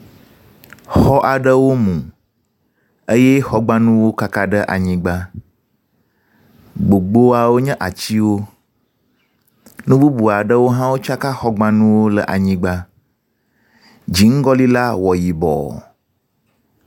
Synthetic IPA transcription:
xɔ˦ʔa˨ɖə˦wo˦mũ˨ | ə˦jɛ˦xɔ˦ɡ͡bã˦nũ˦wo˦ka˦ka˦ɖə˦ʔa̰˨ɲĩ˦ɡ͡ba˦ | ɡ͡bo˨ɡ͡bo˦a˨wo˦ɲɛ̃˦ʔa˨t͡ɕi˦wo˦ | nũ˦bu˦bu˨a˨ɖə˦wo˦ɦã˦wo˦t͡ʃa˦ka˦xɔ˦ɡ͡bã˦nũ˦wo˦lə˨ʔa˨ɲĩ˦ɡ͡ba˦ | d͡ʑi˨ŋ̩˦ɡɔ˦li˦la˦wɔ˨ji˨bɔ̰˨

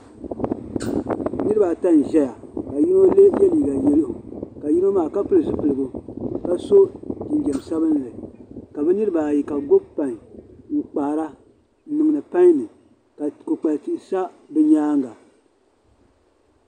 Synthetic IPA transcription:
nɨ˦ɾɨ˦ba˨ta˦n̩˨ʒɛ˦ja˨ka˨ji˦no˦le˦bɛ˦liː˨ɡa˨je˦lɨ˦ʔʊ˨ka˨ji˦no˦maː˦˨ka˦pɨ˦lɨ˨zɨ˦pɨ˨lɨ˨bʊ˨ka˦so˦ki˨n˦ɡɛ˨m˨sa˦bɨ˦n˨lɨ˨ka˨bɛ˦nɨ˦ɾɨ˦ba˨ji˨ka˨ɡo˦bpa˨ɲ˨ŋ̩˨k͡paː˨ɾa˦ | nɨ˨ŋ˨nɨ˨pa˦ɲ˦nɨ˨ | ka˨ko˨k͡pa˨lti˨ʔsa˦ | bɨ˦ɲaː˦ŋ˦ɡa˨

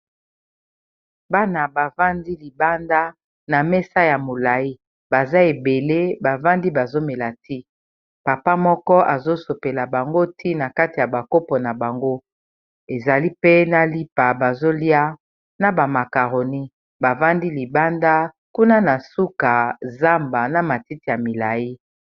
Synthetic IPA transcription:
ba˦na˨ba˨va˦ndi˦li˨ba˦nda˦ | na˨mɛ˦sa˦ja˨mo˨la˨i˦ | ba˨za˦e˨be˨le˦ba˨va˦ndi˦ba˨zo˦me˨la˨ti˦ | pa˨pa˦mɔ˦kɔ˦ʔa˨zo˦so˨pe˨la˨ba˨ŋɡo˦tʰi˦na˨ka˦ti˨ja˨ba˨ko˦pɔ˨na˨ba˨ŋɡo˦ | e˨za˨li˦pe˦na˨li˦pa˨ba˨zo˦li˦a˦ | na˨ba˨ma˨ka˨ʁo˨ni˦ | ba˨va˦ndi˦li˨ba˦nda˦ | ku˦na˦na˨su˦ka˨za˦mba˨na˨ma˨ti˦ti˨ja˨mi˨la˨ji˦

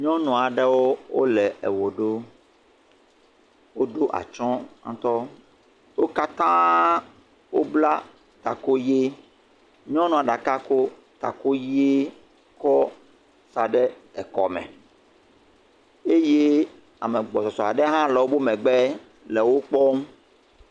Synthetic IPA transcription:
ɲɔ̃˦nɔ̃˨a˨ɖɛ˦wo˦wo̰˦lɛ˨ʔɛ̰˨wo˨ɖo˦ | wo˦ɖo˦ʔa̰˨t͡ʃɔ̃˦ã̰˦t̪ɔ˦ | wo˦ka˦t̪ã˦ | wo˦bla˦ | t̪a˨ko˦je˦ | ɲɔ̃˦nɔ̃˦˨a˨ɖa˨ka˦ko˦ | t̪a̰˨ko˦je˦ | kɔ˦ | sa˨ɖɛ˦ | ɛ˨kɔ̰˨mɛ̰̃˨ | e˦je˦ | a̰˨mɛ̃˨ɡ͡bɔ˨sɔ˨sɔ˨a˨ɖɛ˦ɦã˦lɔ˨wo˦bo˦mɛ̃˨ɡ͡bɛ˦ | lɛ˨wo˦k͡pɔ˦m˦

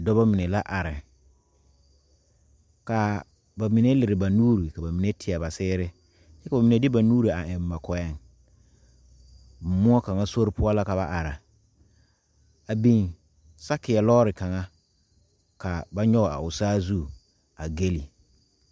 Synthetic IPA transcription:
dɔ˦ba˦mɪ˨nɛ˨la˦ʔa˨ɾɪ˨ | ka˨ | ba˨mi˨ne˦lɪ˨ɾɪ˨ba˨nuː˦ɾi˨ka˨ba˨mi˨ne˦tʰɪ˨a˨ba˨sɪː˦ɾɪ˦ | t͡ʃɛ˦ka˨ba˨mi˨ne˨˦dɪ˦ba˨nuː˦ɾi˨a˨ɪ˨m˨ma˨kɔ˨ɛ˦ŋ | m̩˨mʊ˦ɔ˦ka˨ŋa˦so˦ɾɪ˦pʊ˦a˦la˦ka˨ba˦˨ʔa˨ɾa˨ | a˨bi˨n | sa˦kɪ˨a˨lɔː˦ɾɪ˨ka˨ŋa˦ | ka˨ba˦ɲɔ˦ɣɔ˨a̰˨ʊ˨saː˦zu˦˨ | a˨ɡe˦li˨

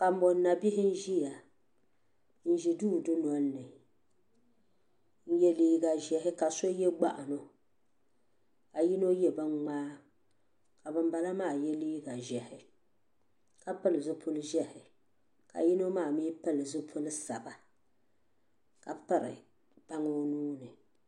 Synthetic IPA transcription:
ka˨m̩˦bo˨˦na˨bi˦hɪ˦n̩˦ʒi˦ja˨ | n̩˦ʒi˨duː˦˨dʊ˦nɔ˦nːɨ˨ | n̩˦jɛ˦liː˦ɡa˨ʒɛ˨ɦɪ˦ka˨so˦jɛ˦ɡ͡ba˦ʔa˨no˨ | ka˨ji˦no˦jɛ˦bɨ˦ŋ͡maː˦ | ka˨bɨ˨m˦ba˨la˦maː˦˨jɛ˦liː˦ɡa˨ʒɛ˨hɪ˨ | ka˨pɨ˦lɨ˨zʊ˦pʰʊ˦lɨ˦ʒɛ˦hɪ˨ | ka̰˨ji˦no˦maː˦˨mi˦pɨ˦lɨ˨zʊ˦pʰʊ˦lɨ˦sa˨ba˨ | ka˨pɨ˦ɾɪ̰˨ | b̥a˦ŋo˦nuː˦nɨ˨

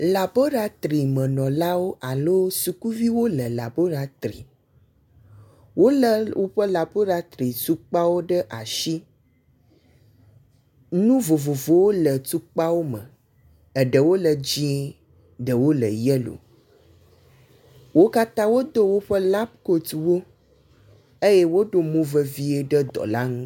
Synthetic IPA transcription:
la˨bo˦ɖa˦t̪ɾi˨mə̃˨nɔ̃˨la˦wo˦ʔa˨lo˦su˨ku˦vi˦wo˦lə˨la˨bo˦ɾa˨t̪ɾḭ˨ | wo˦lə˨wo˦ɸə˦la˨bo˦ɖa˦t̪ɾi˨t̪u˦k͡pa˦wo˦ɖə˦ʔa˨ʃi˦ | nũ˦vo˨vo˨vo˨wo˦lə˨tu˦k͡pa˦wo˦mə̰̃˨ | ə˨ɖə˨wo˦lə˨d͡ʑĩ˦e˦ | ɖə˨wo˦lə̰˨jɛ˦lo̰˨ | wo˦ka˦t̪ã˦wo˦d̪o˦wo˦ɸə˦la˦b̚ko˨t̪wo˦ | e˦jɛ˦wo˦ɖo˨mũ˦və˦vi˦e˦ɖə˦d̪ɔ̰˨la˦ŋũ˦

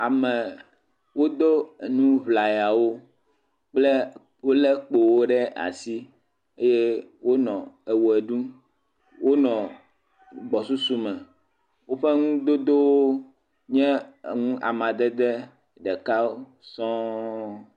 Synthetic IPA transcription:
a˨mɛ̃˨ | wo˦d̪o˦e˨nũ˦vla˨jɛ˨a˨wo˦ | k͡ple˦ | wo˦lɛ˦k͡po˨wo˦ɖɛ˦a̰˨si˦ | e˦je˦wo˦nɔ̃˨e˨wo˨e˨ɖũ˦ | wʔo˦nɔ̃˨ | ɡ͡bɔ˨su˦su˦mɛ̃˨ | wo˦ɸe˦ŋũ˦d̪o˦d̪o˦wo˦ | ɲɛ̃˦˨ŋũ˦ʔa̰˨mã˨d̪ɛ˦d̪ɛ˦ | ɖɛ˨ka˦wo˦ | sɔ̃˦

